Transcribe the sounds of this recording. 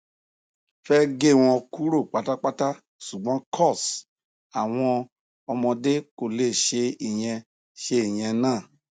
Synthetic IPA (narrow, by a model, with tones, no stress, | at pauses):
fɛ˦ɡe˦˨w̃ɔ̃˧ku˦ɾo˦˨k͡pa˨˦ta˦k͡pa˦ta˦ | ʃu˨ɡ͡bɔ̃˨˦kʰɔ˦˨s | a˨w̃ɔ̃˧ | ɔ˧mɔ̃˧de˦ko˨le˦˨ʃe˧i˨j̃ɛ̃˧ | ʃe˧i˨j̃ɛ̃˧nãː˦˨